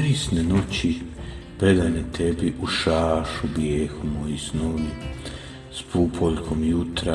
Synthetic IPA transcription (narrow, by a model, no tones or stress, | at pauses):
ɾisnenot͡ɕi | ped̪anet̪ʰebiʔuʃaːʃubjeːxumojisnoʋu | spupʰoʎkʰomjut̪ɾa